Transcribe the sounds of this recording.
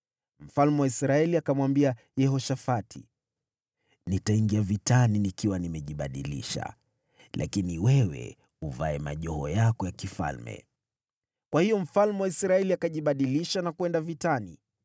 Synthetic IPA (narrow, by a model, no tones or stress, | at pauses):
m̩falmɛwaisɾaɛliakamwambia | jɛhɔʃafatʰi | nitaiŋɡiavitaninikiwanimɛʄiɓaɗilḭʃa̰ | lʔa̰kiniwɛwɛ̰ | uvaɛma̰ʄɔhɔjakɔjakifa̰lmɛ̰ | kwahijɔm̩falmɛwaisɾaɛliakaʄiɓaɗiliʃanakuwɛndavitani